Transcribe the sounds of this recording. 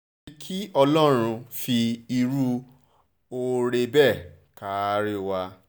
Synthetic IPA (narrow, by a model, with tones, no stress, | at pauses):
kʰi˦ɔ˧lɔ˦ɾ̃ũ˧fi˧i˧ɾu˦ | o˧ɾe˧bɛ˦˨ | ka˨˦ɾi˦wa˧